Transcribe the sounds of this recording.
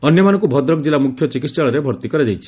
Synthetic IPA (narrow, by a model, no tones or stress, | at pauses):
ɔnjɔmanɔ̃ŋkubʱɔd̪ɾɔkd͡ʒilamukʰjɔt͡ʃikit̪st͡ʃaɭɔɾebʱɔɾt̪ikɔɾed͡ʒajt͡ʃʰi̥